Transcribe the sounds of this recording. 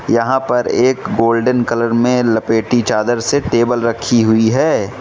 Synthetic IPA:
jɐɦãpɐɾeːkɡoːlɖənkɐləɾmẽlɐpeːʈit͡ʃaːd̪əɾseʈeːbəlɾɐkʰːiɦʊiɦɛː

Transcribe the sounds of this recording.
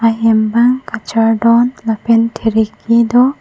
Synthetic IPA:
aɦembaŋkat͡ʃaɖɔnlapentʰeɾikid̪ɔ

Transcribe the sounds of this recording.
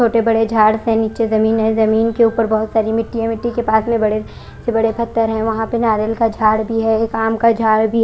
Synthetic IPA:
oːʈebɐɽed͡ʒʱaːɽsẽniːt͡ʃezɐmiːnɦɛ̃zɐmiːnkeuːpəɾbɐɦʊt̪saːɾimɪʈːiɦɛ̃mɪʈːikepaːsmẽbɐɽe | sebɐɽepɐt̪ːəɾɦɛ̃ʋɐɦãpenaːɾelkad͡ʒʱaːɽbʱiɦɛekaːmkad͡ʒʱaːɽbʱi

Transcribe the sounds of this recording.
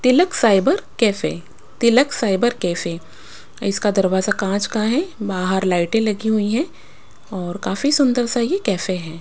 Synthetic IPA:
t̪ɪləksaːɪbəɾkɛːfe | t̪ɪləksaːɪbəɾkɛːfe | ɪskad̪ɐɾʋaːzakãːt͡ʃkaɦɛbaːɦəɾlaːɪʈẽlɐɡiɦuiɦɛ̃ | ɔːɾkaːfisʊ̃nd̪əɾsajekɛːfeɦɛ̃ː

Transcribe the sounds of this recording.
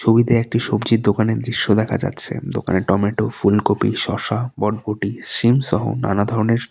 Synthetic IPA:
t͡ɕʰobid̪eek̚ʈiʃobd͡ʑiɾd̪okaned̪ɾiʃːod̪ɛkʰa̰d͡ʑa̰tːɕʰḛd̪o̰ka̰neʈɔmeʈofulkopḭʃɔʃabɔɖ̚boʈiʃimʃɔɦo̰na̰nad̪ʱɔɾoneɾ

